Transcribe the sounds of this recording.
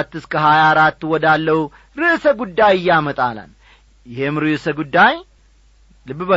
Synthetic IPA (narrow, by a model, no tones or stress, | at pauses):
t̪ːɨskʰəɦajaɾat̪ːwɔd̪alːəhu | ɾɨʔsəɡud̪ːajɪjːamət̪ʼala̰n | jɪhemɾɨʔsəɡud̪ːaj | lɨβbə